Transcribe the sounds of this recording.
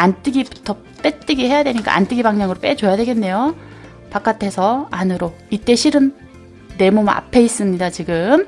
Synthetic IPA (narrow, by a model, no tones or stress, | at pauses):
ant͈ɯɡibu̥tʰʌ | p͈et͈ɯɡihe̞jadwe̞ɲik͈a̰a̰nt͈ɯɡibaŋɲaŋɯɾop͈et͡ɕojadwe̞ɡe̞nːe̞jo | pak͈atʰe̞sʰʌanɯɾo | it͈e̞ɕʰiɾɯnː | e̞moma̰pʰe̞is͈ɯmɲidat͡ɕiɡɯm